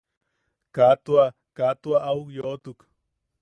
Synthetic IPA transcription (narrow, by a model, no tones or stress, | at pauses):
kat̪wa | kat̪uaʔaukjot̪uk